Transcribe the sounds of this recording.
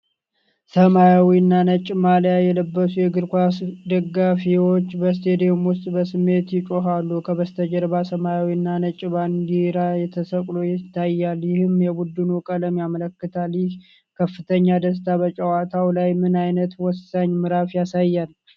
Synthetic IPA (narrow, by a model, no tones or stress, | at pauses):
səmajawinːanət͡ʃʼːɪmaljajɛləbːəsujɛɡɨɾkʷasd̪əɡːafiwo̞t͡ʃːbəs̬t̪ʰe̞d̪iomwʊst̪ʼbəsɨmːe̞t̪jɪt͡ʃʼoɦalːukʰəβəst̪ʰəd͡ʒəɾbasəmajawinːanət͡ʃʼɪbaŋɡiɾajɛt̪ʰəsəkʼlojɪt̪ʰːajːaljɪhɨmjɛbud̪ːɨnukʼələmjamələkːɨt̪ʰaljɪh | kʰəfːɨt̪ʰəɲːad̪əs̬t̪ʰaβət͡ʃʼəwat̪ʰawlajmɨnajnət̪wɔsaɲmɨɾafjasajːal